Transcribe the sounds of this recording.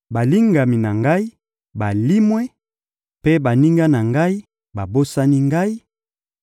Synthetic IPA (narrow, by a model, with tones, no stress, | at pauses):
ba˨li˦ŋɡa˨mi˨na˨ŋɡa˦i˦ | ba˨li˦mwɛ˦ | pe˦ba˨ni˦ŋɡa˦na˨ŋɡa˦i˦ | ba˨bo˦sa˦ni˦ŋɡa˦i˦